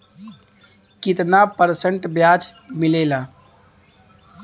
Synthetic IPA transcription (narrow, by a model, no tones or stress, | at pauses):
kit̪napəɾsəɳʈbjad͡ʒmilela